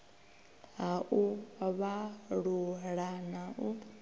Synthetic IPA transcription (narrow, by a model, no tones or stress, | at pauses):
ɦaʔuβaɺuɺanaʔu